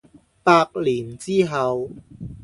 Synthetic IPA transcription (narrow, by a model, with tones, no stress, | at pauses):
paː˧k̚liː˨˩nt͡siː˥ɦɐ˨w